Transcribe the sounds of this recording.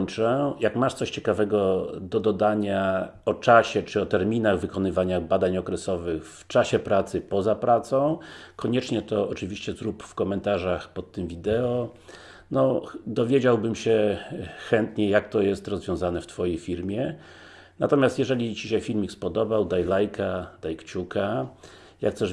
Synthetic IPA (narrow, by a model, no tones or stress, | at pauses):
ɲt͡ʂɛjakmaʂt̪sɔɕt͡ɕɛkavɛɡɔd̪ɔd̪ɔd̪aɲaɔt͡ʂaɕɛt͡ʂɘɔt̪ɛɾmʲinaɣvɘkɔnɘvaɲaɣbad̪aɲɔkɾɛsɔvɘxft͡ʂaɕɛpɾat̪sɘpɔzapɾat̪sɔ̃w̃kʰɔɲɛt͡ʂɲɛt̪ɔːt͡ʂɘvʲiɕt͡ɕɛzɾupfkɔmɛnt̪aʐaxpɔt̪ːɘmvʲid̪ɛɔ | nɔd̪ɔvʲjed͡ʑawbɘmɕɛxɛnt̪ɲɛjak̚t̪ɔjɛst̪ɾɔzvʲjɔ̃w̃zanɛft̪fɔjejfʲiɾmʲjɛ | nat̪ɔmʲjast̪jɛʐɛlʲit͡ɕiɕɛfʲilmʲikspɔd̪ɔbawd̪ajlajkʰad̪ajkt͡ɕuka | jak̚t̪sɛ